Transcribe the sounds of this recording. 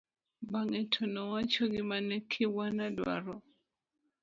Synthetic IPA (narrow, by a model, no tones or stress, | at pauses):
baŋɛtʰɔnɔwat͡ʃɔɡɪmanɛkʰiwanadwa̰ɾɔ